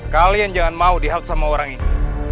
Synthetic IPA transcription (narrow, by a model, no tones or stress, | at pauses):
kaliand͡ʒaŋanmaudiɦalt̪samaoɾaŋini